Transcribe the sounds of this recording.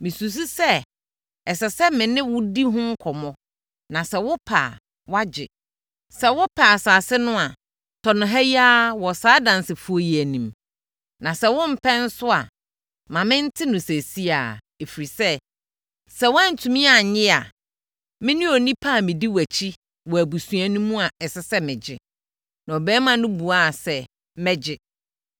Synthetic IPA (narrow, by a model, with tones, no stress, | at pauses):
mɪ̃˨su˨s̬u˦sɛ˦ | ɛ˨sɛ˨sɛ˦mɪ̃˨nɪ̃˦wʊ˦di˦ɦʊ̃˦ŋ̩˦kʰɔ˨mɔ̃˦ | nã˨sɛ˨wʊ˦pʰa̰ː˨ | wa˦d͡ʑɪ̰˨ | sɛ˦wʊ˦pʰa˨saː˨sɪ˦nʊ̃˦a˨ | tʰɔ˨nʊ̃˨ɦæ˦ji˦a˦wɔ˨saː˦dã˨nsɪ˨fu˦ɔ˦ji˨æ˨nĩ˨m | nã˨sɛ˦wʊ̃˦m̩˨pʰɛ̃˦n̩˦sʊ˦a̰˨ | mã˨mɪ̃˦n̩˦tʰɪ˦nʊ̃˨sæ˨si˦aː˨ | e˨fi˨ɾi˨sɛ˦ | sɛ˦wa˦n̩˨tʰũ˨mĩ˦a˨ɲɪ̃˦a˨ | mɪ̃˦nʊ̃˦o˨nĩ˦pʰa˦˨mɪ̃˨di˦wæ˨t͡ɕʰi˦ | wɔ˨æ˨bu˨su˨æ˨nũ˦mũ˦a˨ɛ˨sɪ˦sɛ˦mɪ̃˨d͡ʑɪ˦ | nã˨ɔ˨bɛː˦mã˨nʊ̃˦bu˨a˦˨sɛ˦ | mɛ˦d͡ʑɪ˦